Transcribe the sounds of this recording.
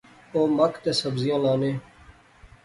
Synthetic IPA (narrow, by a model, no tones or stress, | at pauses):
oːməkʰt̪eːsəbzɪjãːlaːneː